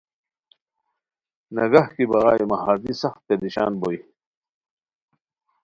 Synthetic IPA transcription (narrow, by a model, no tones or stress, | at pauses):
nɐɡɐhkibɐɣa̰ːimɐɦaːzisɐxt̪̚ped̪iɕa̰ːnboi